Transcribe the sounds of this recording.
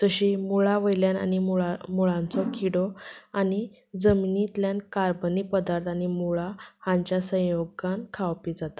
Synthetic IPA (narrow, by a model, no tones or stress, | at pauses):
t̪əɕimuɭaʋəjljana̰nimuɭãnt͡sɔkʰiɽɔani | d͡zəminit̪ljankaɾbənipəd̪aɾt̪añimuɭahãɲt͡ɕjasə̃joɡankʰawpid͡zat̪ḁ